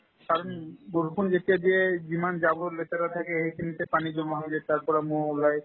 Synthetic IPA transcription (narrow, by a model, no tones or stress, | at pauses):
kaɾonɡoɾkʰund͡ʑet̪iad̪ied͡ʑimand͡ʑaboɾlet̪aɾat̪ʰakeɦekʰinit̪epanid͡ʑomɦaŋd͡ʑeɾt̪aɾpɔɾamuɦolaj